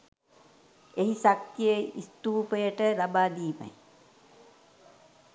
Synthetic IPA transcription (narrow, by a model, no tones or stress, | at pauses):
eɦisak̚t̪jəist̪uːpəjəʈəlabaːd̪iːma̰j